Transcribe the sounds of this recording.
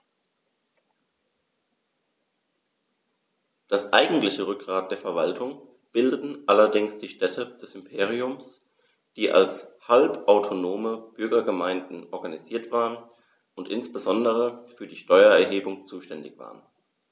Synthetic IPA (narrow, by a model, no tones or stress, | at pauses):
d̥asʔa̰ɪɡŋ̩tlɪçəʁʏk̚ɡ̥ʁaːt̚d̥eːɐfɛɐvaltʰʊŋ | b̥ɪldətn̩ʔalɐdɪŋsd̥iːʃtɛtʰəd̥ɛsɪmpʰeːʁ̞iʊms | d̥iːʔa̰lshalpʔaʊtʰonoːməb̥ʏɐɡɐɡəmaɪndn̩ʔɔɐɡaniziːɐtv̥aːʁən | ʊntʔɪnsb̥əzɔndəʁ̞əfyːɐdiːʃtɔʏɐɛɐɦeːbʊŋt͡suːʃtɛndɪçv̥a̰ːʁən